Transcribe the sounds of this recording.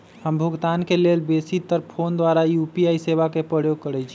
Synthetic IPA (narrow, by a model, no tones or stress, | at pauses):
həmbʱuɡt̪ankelelbesit̪əɾpʰond̪waɾaijupiaiseβakepɾəjoɡ̚kəɾɛt͡ʃʰi